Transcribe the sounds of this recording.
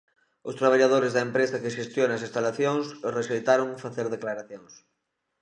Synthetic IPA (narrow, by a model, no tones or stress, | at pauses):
ʊst̪ɾaβ̞aʎað̞oɾɪzðɐempɾesɐkɪʃest̪jonɐsinst̪alaθjoŋsreʃejt̪aɾoŋfaθeɾðeklaɾaθjoŋs